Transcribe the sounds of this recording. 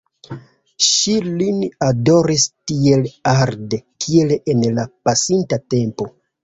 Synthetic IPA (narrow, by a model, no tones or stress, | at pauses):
ʃilinado̞ɾistie̞laɾde̞kʰie̞lenlapasintate̞mpo̞